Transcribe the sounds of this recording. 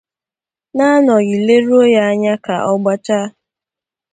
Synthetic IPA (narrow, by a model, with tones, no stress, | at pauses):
na˦nɔ˨ɣɪ˨le˦ɾu˦o˦ja˦a˦ɲa˦ka̰˨ʔɔ˦ɡ͡ba˦t͡ʃa˦